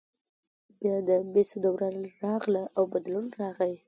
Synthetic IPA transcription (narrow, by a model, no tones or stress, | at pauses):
bjɑd̪əbesod̪awɾanɾɑɣlaʔawbad̪lunɾɑɣaj